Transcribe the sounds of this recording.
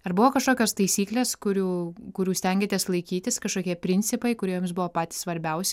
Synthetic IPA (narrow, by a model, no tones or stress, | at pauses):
ɐrbʊʋoːkɐʃkoːkʲoːst̪ɐɪsʲiːklʲeːskʊɾʲuːkʊɾʲuːsʲt̪ʲɛŋʲɡʲet̪ʲeɛslˠɐɪkʲiːt̪ʲɪskɐʃkoːkʲiɛpʲɾʲɪnʲt͡ssʲɪpɐɪkʊɾʲiɛjoːmsbʊʋoːpɑːt̪ʲi̥ːsʋɐɾʲbʲɛʊsʲ